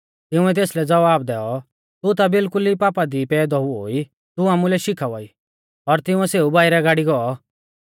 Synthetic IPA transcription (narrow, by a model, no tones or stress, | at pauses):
t̪ɪʊ̃ɛt̪eːslɛd͡zɐʋaːb̚d̪ɛɔ | t̪ut̪̬abɪlkʊlipaːpad̪ipɛːd̪ɔuɦo̰ːi | t̪uaːmulɛʃɪkʰaʋɔiː | ɔɾt̪ɪʊ̃ɛseːubaːiɾɛɡaːɽiɡɔɔ